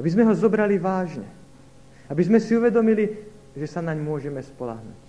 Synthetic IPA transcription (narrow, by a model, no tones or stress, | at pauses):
abizmɛɦɔzɔbɾaliʋaːʒɲɛ̰ | abizmɛsiuʋɛd̪ɔmili | ʒɛsanaɲmʊɔʒɛmɛspɔla̰ɦnṵːc